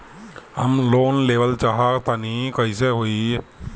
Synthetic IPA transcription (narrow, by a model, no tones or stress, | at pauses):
hə̰mloːnleːʋəlt͡ʃaɦat̪anikɐiseɦoːi